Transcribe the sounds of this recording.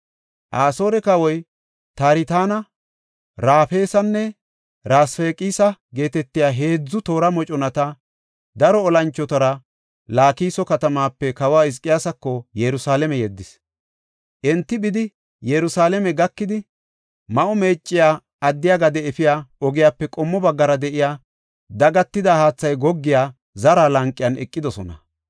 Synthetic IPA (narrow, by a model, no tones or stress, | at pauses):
ʔaːso̞ːɾɛkɐwɔj | t̪aːɾɪt̪aːnɐ | ɾaːfe̞ːsɐnːɛ | ɾaːsfe̞ːkʼiːsɐɡe̞ːt̪ɛt̪ːɪjaːɦe̞ːd͡zːʊt̪o̞ːɾɐmɔt͡ʃʼɔnɐt̪ɐ | d̪ɐɾɔːlɐnt͡ʃːɔt̪ɐɾɐ | laːkiːsɔkɐt̪ɐmaːpːɛkɐwaːɪs̬kʼːɪjaːsɐkːɔjɛɾʊsaːlɛmɛjɛd̪ːɪs | ʔɛnt̪ːɪbɪd̪ɪ | jɛɾʊsaːlɛmɛɡɐkːɪd̪ɪ | mɐʔɔmeːt͡ʃʼːɪjaː | ɐd̪ːɪjaːɡɐd̪ɛɛfɪjaːɔɡɪjaːpːɛkʼɔmːɔbɐɡːɐɾɐd̪ɛʔɪjaː | d̪ɐɡɐt̪ːɪd̪ahaːt͡sːɐjɡɔɡːɪjaː | zɐɾaːlɐŋkʼːɪjɐnɛkʼːɪd̪ɔsɔnɐ̰